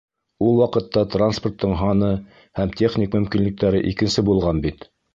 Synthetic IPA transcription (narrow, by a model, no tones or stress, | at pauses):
ulˠwɑqɤ̆t̪ːɑt̪ransport̪ːɤɴɦɑnɤ | hæmtʲʰe̞χnʲikmɵ̆mkinlɘ̆k̚t̪æɾɘʔikɘ̆nsɘbulˠʁɑnbit̪